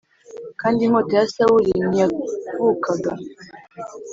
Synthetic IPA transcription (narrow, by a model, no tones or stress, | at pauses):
kaːndiŋ̥otejasawuɾiɲiakukʰaɡa